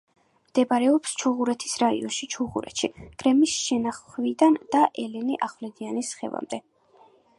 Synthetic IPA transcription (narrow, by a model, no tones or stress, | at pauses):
md̪̥ɛbaɾɛɔpst͡ʃʰuʁuɾɛt̪ʰi̥sɾaḭɔnʃit͡ʃʰuʁṵɾɛ̰t̪ʃiɡ̥ɾɛmisʃɛnaχvid̪and̪̥aʔɛlɛniʔaχvlɛd̪ianisχɛ̰va̰md̪ɛ